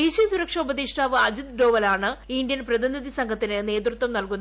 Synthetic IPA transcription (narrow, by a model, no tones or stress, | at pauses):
iɕisuɾɐkʂɐubɐðiʂʈaːʋɨɐd͡ʑid̪ɖo̞ːʋɐlaːɳɨiɳɖjɐnprɐðiniðisɐŋɡʱɐt̪ːinɨne̞ːd̪rɨt̪ʋɐmnɐlkunː